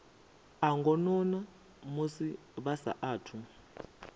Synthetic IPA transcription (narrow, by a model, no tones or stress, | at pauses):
aŋɡɔnɔna | musi | βasa̰ʔaːtʰu